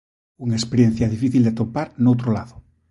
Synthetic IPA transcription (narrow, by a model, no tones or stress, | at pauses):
uŋespeɾjen̟θjaðifiθild̪et̪opaɾnowt̪ɾolaðo